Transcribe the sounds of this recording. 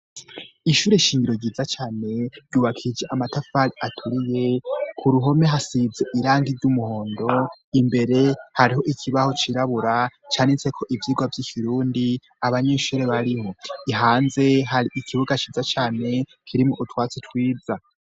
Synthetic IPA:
iʃuːɾeʃiːŋɡiɾo̞ɟiːzat͡ʃaːne̞ɾɟuːβakʰid͡ʒeʔamatafaɾiʔatʰuɾije̞kʰuɾuɦo̞me̞ɦasize̞ʔiɾaːŋɡiɾɟumuho̞ːndo̞imbe̞ɾe̞haɾiɦo̞ʔikʰiβaho̞t͡ʃiɾaβuɾat͡ʃaːnit͡se̞kʰo̞ʔivjiːɡwavjikʰiɾuːndi | aβaɲeʃuːɾe̞βaɾihoiɦaːnze̞ɦaɾiʔikʰiβuɡat͡ʃiːzat͡ʃaːne̞ | kʰiɾimuʔutwaːt͡sitwiːd͡za

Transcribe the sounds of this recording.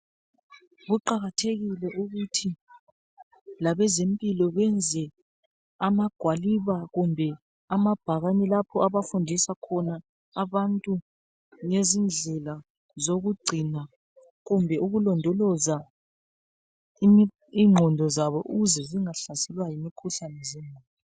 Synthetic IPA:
ɣuǃaɣatʰeɣilɛʔuɣutʰi | laβɛzempʼilɔβɛnd͡zʱɛ | amaɡ̥ʱwaliβaɣumbʱɛ | amab̥ʱaɣanɛlapʰɔaβafundʱisakʰɔnaː | βantʼu | ŋezind͡ɮʱɛla | zoɣuɡ͡ǀʱina | ɣumbʱɛʔuɣulɔndʱɔlɔza | imi | iŋ͡ǃʱɔndʱɔzaβɔʔuɣuzɛziŋaɬasɛlwajimikʰuɬanɛzɛmʱaːi

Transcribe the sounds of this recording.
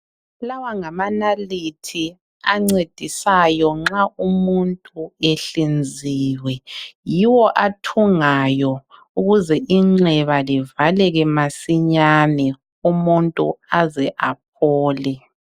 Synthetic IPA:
lawaŋamanalitʰi | aŋ͡ǀed̥ʱisajɔŋ͡ǁaumuntʼueɬind͡zʱiːwɛjiwɔʔatʰuŋajɔ | uɣuzɛʔiŋ͡ǁɛβalivalɛɣɛmasiɲanɛ | umuntʼṵazɛʔap̚ʰɔːlɛ

